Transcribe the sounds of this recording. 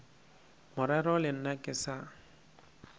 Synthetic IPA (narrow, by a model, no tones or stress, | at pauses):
mʊɾɛɾɔlɪn̩nakʼɪsa